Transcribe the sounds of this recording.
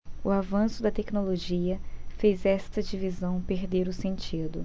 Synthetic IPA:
ʊavɐ̃sʊd̪ɐt̪ɛknoloʒiɐfejzɛst̪ɐd͡ʒivizɐ̃w̃peɾd̪eɾʊsẽnt͡ʃid̪ʊ

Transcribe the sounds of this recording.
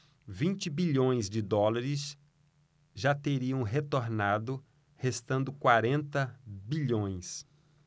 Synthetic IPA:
vĩnt͡ʃɪbiʎõj̃zd͡ʒɪd̪ɔlaɾɪs | ʒat̪eɾiɐ̃w̃ɦet̪oɾnad̪ʊ | hest̪ɐ̃nd̪ʊkwaɾẽnt̪ɐbiʎõj̃s

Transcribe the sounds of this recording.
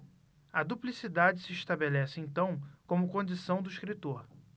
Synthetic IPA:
ɐd̪uplisid̪ad͡ʒɪsɪiʃt̪abelɛsɪẽñt̪ɐ̃w̃kõmʊkõd͡ʒisɐ̃w̃d̪ʊiʃkɾit̪oɾ

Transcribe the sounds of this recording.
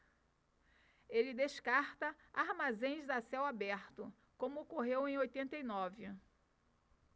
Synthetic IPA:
elɪd̪eʃkaɾt̪ɐ | aɾmazẽj̃zd̪ɐsɛwabɛɾt̪ʊ | kõmʊokoɦewẽj̃ojt̪ẽnt̪ejnɔvɪ

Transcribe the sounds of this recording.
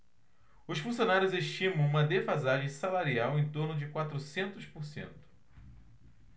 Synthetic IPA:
ʊsfũsionaɾjʊzeʃt͡ʃĩmɐ̃w̃ũmɐd̪efazaʒẽj̃salaɾiawẽj̃t̪oɾnʊd͡ʒɪkwat̪ɾʊsẽnt̪ʊspʊɾsḛ̃nt̪ʊ̥

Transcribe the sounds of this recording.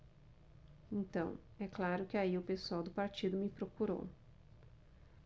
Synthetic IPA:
ẽnt̪ɐ̰̃w̃ | ɛklaɾʊkɪaiʊpesuawd̪ʊpaɾt͡ʃid̪ʊmɪpɾokuɾo̰w

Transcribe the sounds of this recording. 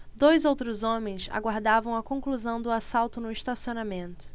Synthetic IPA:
d̪ojzowt̪ɾʊzõmẽj̃sa̰ɡwaɾd̪avɐ̃w̃ɐkõkluzɐ̃w̃d̪ʊasawt̪ʊnʊiʃt̪asionamẽnt̪ʊ̥

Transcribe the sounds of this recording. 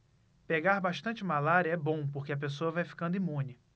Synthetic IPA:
peɡaɾbaʃt̪ɐ̃t͡ʃɪmalaɾiɐɛbõw̃poɾkeɐp̬esoɐvajfi̥kɐ̃nd̪ʊimũnɪ

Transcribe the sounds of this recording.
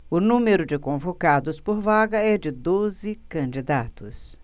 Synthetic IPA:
ʊnũmeɾʊd͡ʒɪkõvokad̪ʊspoɾvaɡɐɛd͡ʒɪd̪ozɪkɐ̃d͡ʒid̪at̪ʊs

